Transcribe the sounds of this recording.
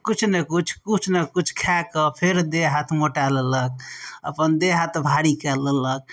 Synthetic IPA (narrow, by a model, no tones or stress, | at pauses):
kut͡ʃʰnekut͡ʃʰkut͡ʃʰnekut͡ʃʰkʰɛkəpʰeɾd̪eɦat̪ʰmoʈalələk̚ə̰pənd̪eɦat̪ʰbʱaɽikɛlələk̚